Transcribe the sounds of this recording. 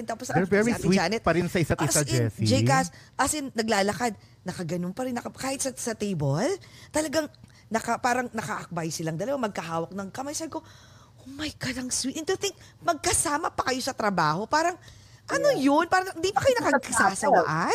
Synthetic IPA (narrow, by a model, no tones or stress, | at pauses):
nt̪ɐposɐʔɛɛiaianɛt̪̚pɐɾɪnsɐɪsat̪ʔɪsɐd͡ʒɛsid͡ʒɛjkasʔɐsɪnnɐɡlaːlɐkad̪̚ | nɐkɐɡɐnonpɐɾɪnːɐkkaːhɪt̪sɐsɐt̪ejbolt̪ɐlɐɡaŋ | nɐkɐpaːɾɐŋnɐkɐʔɐk̚bajsɪlɐŋd̪ɐlɐwamɐɡ̚kɐɦaːwɐk̚nɐŋkɐmajsab̚ko̞ | ʔomɐjkɐlɐŋswiːt̪ɪnt̪ut̪ɪŋk̚ | mɐɡ̚kɐsaːmɐpɐkɐjo̞sɐt̪ɾɐbaːho̞paːɾɐŋ | ʔɐno̞jonpaːɾɐɪnd̪ipɐkɐjonɐkɐsaːsɐwa̰ʔɐ